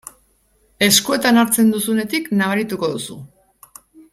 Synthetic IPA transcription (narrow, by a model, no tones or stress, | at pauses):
e̞skue̞t̪anaɾt͡se̞nd̪usune̞t̪iknaβaɾit̪uko̞ðusu